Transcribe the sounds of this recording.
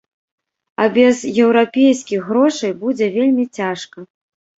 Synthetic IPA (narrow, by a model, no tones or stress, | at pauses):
ɐbʲɛzjɛwɾapʲejskʲixɣɾɔʂɐjbud͡zʲɛvʲelʲmʲit͡sʲaʂkɐ